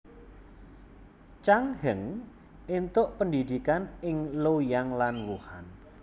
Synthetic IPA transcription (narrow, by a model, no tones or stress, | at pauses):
t͡ʃaŋhəŋ | int̪ʊʔpəndid̪ikanɪŋlojaŋlanwuhan